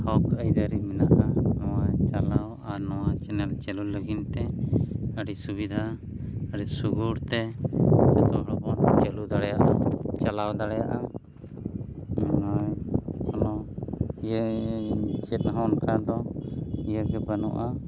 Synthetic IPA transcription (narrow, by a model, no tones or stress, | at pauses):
hawkəjd̪aɾiminaʔanɔwat͡ʃalaw | aɾnɔwat͡ʃɛnɛlt͡ʃɛluləɡint̪ɛ | əɽisubid̪ʱa | əɽisuɡuɾt̪ɛ | ɛt̪ɔɦɔɽɔbɔnt͡ʃɛlud̪aɽɛjaʔat͡ʃalawd̪aɽɛjaʔa | ɔnɔjɔnɔjə | t͡ʃɛt̪̚ɦankʰad̪ɔijəɡɛbanɔ̰ʔa